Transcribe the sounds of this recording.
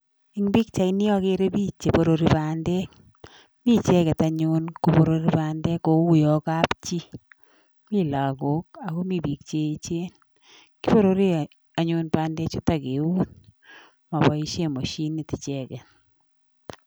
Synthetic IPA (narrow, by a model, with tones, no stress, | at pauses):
i˦ŋbi˦k̚t͡ʃa˨i˦nɪ˦ɔ˦ke˦ɾe˦bi˦t͡ʃːe˨po˨ɾo˨ɾi˨ba˨ndɛ˦k | mi˦t͡ʃɛ˦kɛ˨ta˨ɲʊ˦nko˨po˨ɾo˨ɾi˦ba˨ndɛ˦ko˨˦u˦jɔ˨ka˦pt͡ʃi˦ | mi˦la˨ɡo˨˦k̚a˨ɣo˦mi˦bi˨k̚t͡ʃe˦t͡ʃe˦n | ki˦po˦ɾo˦ɾi˦ | a˨ɲʊ˨npba˨ndɛ˦t͡ʃo˦ta˨ɡe˨u˦n | ma˨bɔ˨˦i˦ʃe˦mo˨ʃi˦ni˨ti˨t͡ʃɛ˦kɛ˨t